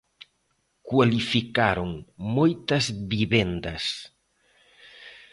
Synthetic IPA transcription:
kwalifikaɾoŋmojt̪ɐzβiβɛnd̪ɐs

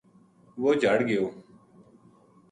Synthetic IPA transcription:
ʋoːd͡ʒʱəɽɡɪjoː

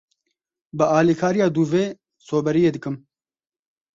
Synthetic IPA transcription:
bɨaːliːkʰaːɾijaːd̪uːveː | soːbɛɾijeːd̪ɨkɨm

